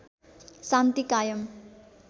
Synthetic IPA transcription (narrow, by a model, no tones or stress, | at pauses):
sant̪ikajʌm